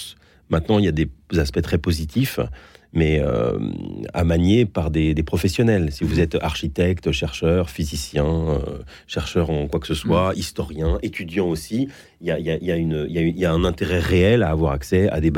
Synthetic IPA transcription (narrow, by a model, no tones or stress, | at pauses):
mɛ̃t̪nɑ̃iljad̪ezaspɛt̪χɛpozit̪ʰifmɛø̰ | a̰manjepaʁd̪ed̪epχɔfɛsjɔnɛlsivuzɛt̪aʁʃit̪ɛkt̪ʃɛʁʃœʁfizisjɛ̃ø̰ | ʃɛʁʃœʁɑ̃kwaksəswaist̪ɔʁjɛ̃ʔet̪ʰyd̪jɑ̃osi | ljaijaijaynøijayjaɛ̃nɛ̃t̪eʁɛʁeɛlaːvwaʁaksɛa̰d̪eb